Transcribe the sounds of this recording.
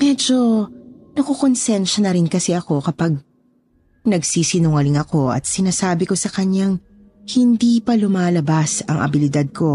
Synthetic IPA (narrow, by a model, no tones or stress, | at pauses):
mɛd͡ʒo̞nɐkokonsɛnʃɐnɐɾɪnkɐsɛɐko̞kɐpaɡ̚ | nɐɡsiːsɪnʊŋɐlɪŋɐko̞ʔɐ̰t̪̚sɪnaːsaːbɪko̞sɐkɐɲjaŋ | hɪnd̪iːpɐlʊmaːlɐbasɐŋʔɐ̰bɪlɪd̪ad̪̚kʰo̞